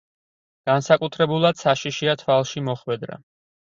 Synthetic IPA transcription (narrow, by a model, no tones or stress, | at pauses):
ɡ̥ansakʼut̪ʰɾɛbulˠad̪̥saʃiʃiat̪ʰwalˠʃimɔχwɛd̪ɾa̰